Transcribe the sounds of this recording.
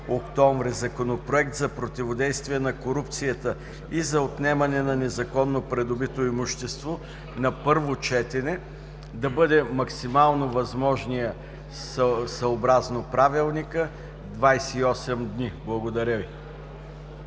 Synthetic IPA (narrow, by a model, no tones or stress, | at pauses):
okt̪ɔɱvɾɛzɐkonopɾoɛkt̪zɐpɾot̪ivod̪ɛjst̪viɛnɐkoɾupt̪sijət̪ə | izɐot̪nɛmɐnɛnɐnɛzɐkɔnːopɾɛd̪obit̪oimuʃt̪ɛst̪vo | nɐpɤɾvot͡ʃɛt̪ɛnɛ | d̪ɐbɤd̪ɛmɐksimalˠnovɐzmɔʒnijə | ssɐobɾaznopɾavilˠnikə | d̪vajsɛiɔsɛmd̪niblˠɐɡod̪ɐɾʲəvi